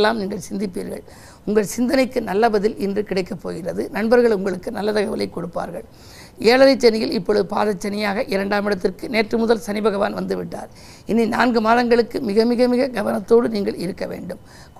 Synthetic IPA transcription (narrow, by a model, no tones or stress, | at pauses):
lːaːmniːŋɡɐɭsɪnd̪ɪpːiːɾɣɐ̰ɭ | ʊŋɡɐɭsɪnd̪ɐnɐɪkːɯnɐlːɐbɐðɪlɪndrɯkɪɽɐɪkːɐpːo̰ːɣɪrɐðɯnɐɳbɐɾɣɐɭʊŋɡɐɭɯkːɯnɐlːɐt̪ɐɣɐʋɐlɐɪkːɔɽɯpːa̰ːɾɣɐ̰ɭ | eːɭɐɾɐɪt͡ʃːɐnɪjɪlɪpːɔɻɯðɯpa̰ːðɐt͡ʃːɐnɪjaːɣɐʔɪɾɐɳɖaːmɪɽɐt̪ːɪrkɯneːʈrɯmʊðɐlsɐnɪbɐɣɐʋaːnʋɐnd̪ɯʋɪʈːa̰ːɾ | ɪnːina̰ːnɡɯmaːðɐŋɡɐɭɯkːɯmɪɣɐmɪɣɐmɪɣɐɡɐʋɐnɐt̪ːoːɽɯniːŋɡɐɭɪɾɯkːɐʋḛːɳɖɯm | k